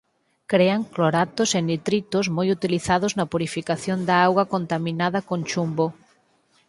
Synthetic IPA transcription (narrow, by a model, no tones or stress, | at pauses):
kɾeaŋkloɾat̪osend̪it̪ɾit̪ʊzmojut̪iliθaðʊznɐpuɾifikaθjond̪aawɣwɐkont̪amĩnaðɐkõnʲt͡ʃumbo